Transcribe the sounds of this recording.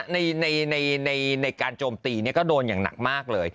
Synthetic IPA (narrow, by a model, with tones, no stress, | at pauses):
na˧jna˧jna˧jna˧jna˧jkaː˧nt͡ɕoː˧mt̪iː˧ni˥˩ɐkɔː˥˩doː˧njaː˨˩ŋna̰˨˩k̚maː˥˩k̚lɤː˧j